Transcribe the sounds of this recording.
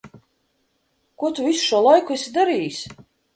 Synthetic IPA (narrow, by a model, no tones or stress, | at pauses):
kuɔt̪uvisu̥ʃuɔlˠajkuɛsʲid̪aɾiːjis